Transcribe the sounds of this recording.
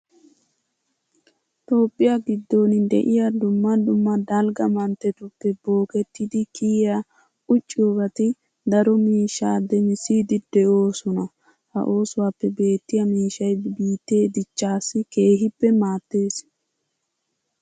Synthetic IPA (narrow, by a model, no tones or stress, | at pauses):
t̪o̞ːpʼːɪjaɡɪd̪ːo̞ːnɪd̪ɛ̰ʔɪjad̪ʊmːɐd̪ʊmːɐd̪ɐlɡɐmɐnt̪ːɛt̪ʊpːɛbo̞ːkɛt̪ːɪd̪ɪkʰiːja | ʔʊt͡ʃʼːɪjɔɡɐt̪ɪ | d̪ɐɾɔmiːʃːaːd̪ɛɲsid̪ɪd̪ɛʔo̞ːsɔnɐ | hɐ̰ʔo̞ːsʊwaːpːɛbe̞ːt̪ːɪjɐmiːʃːɐjbiːt̪ːe̞ːd̪ɪt͡ʃːaːsːɪke̞ːɦɪpːɛmaːt̪ːe̞ːs